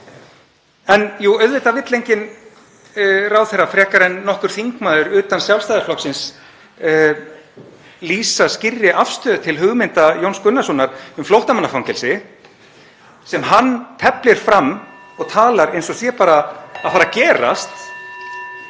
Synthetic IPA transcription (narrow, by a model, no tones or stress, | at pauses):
ɛnjuœɥðvɪt̪avɪt̪lejɲcɪn | rawθɛrːafɾɛːhkaɾɛnːɔhkʏɾ̥θiŋkmaːðʏɾʏːt̪ansjawlst̪ajðɪflɔhksɪns | liːsascɪrːɪʔafst̪œːðʏt̪ʰɪlɦʏɣmɪnt̪ajownskʏnːasɔnaɾ̥ʏmflowht̪amanːafawŋcɛlsɪ | sɛmɦanːt̪ʰɛplɪɾ̥fɾamː | ɔɣt̪ʰaːlaɾejnsɔsjɛpaːɾaːðfaːɾacɛːra̰st̪